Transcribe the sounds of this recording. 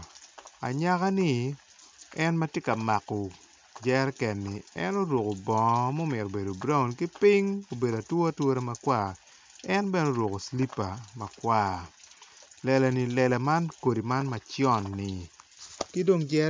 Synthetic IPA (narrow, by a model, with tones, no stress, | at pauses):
a̰˨ɲa˦ka˦ni˨ | ɛ˦nmɐ˦tje˦ka˨ma˨kɔ˨ | d͡ʒɛ˦ɾkɛ˨nːi˨ɛ̰˦no˦ɾwo˨ko˨bɔ˨mo˦mɪ˨ɾo˨be˨do˨bɾa˦wnki˦pi˦ŋo˨be˨da˨two˦a˦two˦ɾe˦ma˨kwa˦˨ | ɛ˦nbɛ˦no˦ɾwo˨ko˨sli˦pa˨ma˨kwa˦ | lɛ˨lɛ˨ni˨lɛ˨la˨ma˦nko˨di˨ma˦nmɐ˨t͡ʃjɔ˦˨nːɪ˨ | ki˦do˦ŋd͡ʒɛ˦